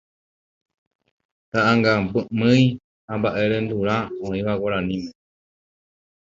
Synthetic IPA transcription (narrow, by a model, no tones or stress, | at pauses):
t̪aʔaŋɡambɨmɨ̃j̃ | hãmbaʔe̞ɾẽnd̪uɾãõĩʋawaɾãnĩmẽ